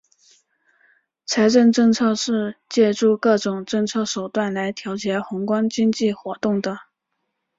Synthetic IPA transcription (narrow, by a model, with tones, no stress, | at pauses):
t͡sʰa˧˥ɪʈ͡ʂɤ˥˧ŋʈ͡ʂɤ˥˧ŋt͡sʰɤ˥˧ʂɻ̩˥˩˧t͡ɕjɛ˥˧ʈ͡ʂu˥˧kɤ˥˩ʈ͡ʂʊ˨˩ŋʈ͡ʂɤ˥˧ŋt͡sʰɤ˥˩ʂo˨˩ʊt̪wa˥˩nla˧˥ɪt̪ʰjɑ˧˥ʊt͡ɕjɛ˧˥xʊ˧˥ŋkwɑ˥ŋt͡ɕi˥ŋt͡ɕi˥˩xwɔ˧˥t̪ʊ˥˩ŋd̪ə˩